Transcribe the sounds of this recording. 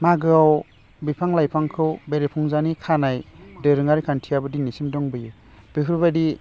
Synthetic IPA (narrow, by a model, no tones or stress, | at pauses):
maɡɯaw | bipʰaŋlajpʰaŋkʰɯwbeɾepʰɔŋzanikʰanajdɯɾɯŋaɾikʰantʰijabɯdinːisimdɔŋbɯjɯ | b̥iɦʰɯɾbadi